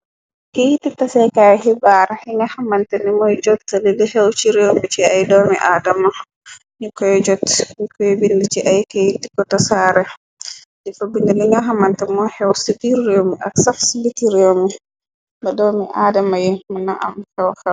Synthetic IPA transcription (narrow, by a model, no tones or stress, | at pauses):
kehitːitasɛkajhibaɾɛhiŋɡahamantɛnimɔjd͡ʒɔtːlilihɛwt͡ʃiɾewmit͡ʃiajdɔmḭʔadama | ɲikɔjɔd͡ʒɔtːɲikɔjɛbindit͡ʃiʔajkejitːi̥kɔtasaɾɛ | dɛfabindiliŋɡaɦamantɛmɔhɛwsibiːewmiʔaksafsibitiɾewmi | badɔmiʔadamajɛmunaʔa̰mhɛwhɛw